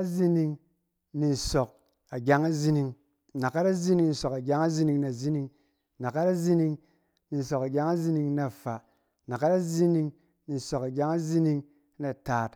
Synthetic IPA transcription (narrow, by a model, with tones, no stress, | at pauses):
a˦zi˧ni˧ŋ | ni˨n̩˨so˨k̚ | a˨ɡʲa˦ŋa˦zi˦ni˧ŋ | na˨ka˦ɾa˦zi˦ni˧ŋn̩˨so˨ka˨ɡʲa˦ŋa˦zi˦ni˧ŋna˨zi˦ni˧ŋ | na˨ka˦ɾa˦zi˦ni˧ŋ | ni˨n̩˨so˨ka˨ɡʲa˦ŋa˦zi˧˦ni˧ŋna˨fa˨ | na˨ka˦ɾa˦zi˦ni˧ŋ | ni˨n̩˨so˨ka˨ɡʲa˦ŋa˦zi˦ni˧ŋ˦ | na˨taː˨t